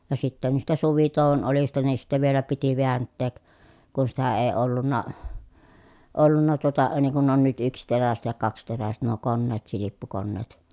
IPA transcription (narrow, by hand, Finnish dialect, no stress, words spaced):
jɑ sitːæ niːstæ suʋitoˑuʋ̆on olistɑ niːn sitːæ ʋielæ piti ʋeæntːeːk kun sitæ eː olːunːɑ olːunːɑ tuotɑ niŋ kun on nyt yksteræset jɑ kɑksteræset nuo konːeːt silipːukonːeːt